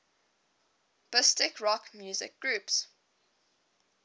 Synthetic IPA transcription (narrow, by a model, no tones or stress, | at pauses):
b̥ɪstɪkɹɔkmjuːzɪ̰k̚ɡ̥ɹuːˑps